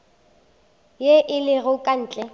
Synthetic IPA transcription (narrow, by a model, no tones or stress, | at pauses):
jeʔɪlɪɣʊkʼan̩ːt͡ɬʼɛ